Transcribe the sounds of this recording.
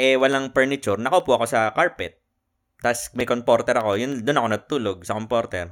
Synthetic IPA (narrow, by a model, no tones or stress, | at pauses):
ʔɛwɐlaŋpɛɹnɪt͡ʃʊɾnɐkopʊʔɐko̞sɐkaɹpɛt̪̚ː | asmɐjkompoɾt̪ɛɾɐko̞jʊnd̪ʊnɐko̞nɐɡ̚t̪uːloɡ̚sɐkompoɾt̪ɛɾ